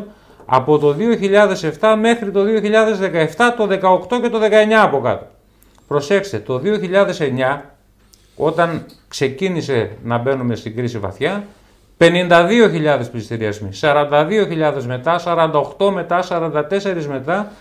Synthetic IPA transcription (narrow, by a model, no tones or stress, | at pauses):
ɐ̰po̞t̪o̞ðio̞çiʎɐðe̞se̞ft̪ɐme̞xɾit̪o̞ðio̞çiʎɐðe̞zðe̞kɐe̞ft̪ɐt̪o̞ðe̞kɐokt̪o̞ce̞t̪oðe̞kɐe̞ɲɐːpo̞kɐ̰t̪o̥ | pɾo̞se̞kst̪et̪o̞ðio̞çiʎɐðe̞se̞ɲɐ | o̞t̪ɐn | kse̞cinise̞nɐbe̞nume̞st̪iŋɡɾisivɐ̰θçɐ | pe̞nind̪ɐðio̞çiʎɐðe̞spist̪iɾiɐzmisɐɾɐnd̪ɐðio̞çiʎɐðe̞zme̞t̪ɐsɐɾɐnd̪ɐo̞xt̪o̞me̞t̪ɐsɐɾɐnd̪ɐt̪e̞se̞ɾizme̞t̪ɐ